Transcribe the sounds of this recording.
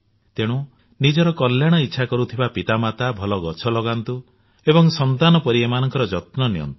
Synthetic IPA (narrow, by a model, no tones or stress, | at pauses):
t̪eɽ̃u | nid͡ʒɔɾɔkɔljaɽ̃ɔitːʃʰakɔɾut̪ʰibapit̪amat̪abʱɔlɔɡɔt͡ʃʰɔlɔɡant̪u | ebɔŋsɔnt̪anɔpɔɾiemanɔŋkɔɾɔd͡ʒɔt̪nɔnijɔ̰nt̪u̥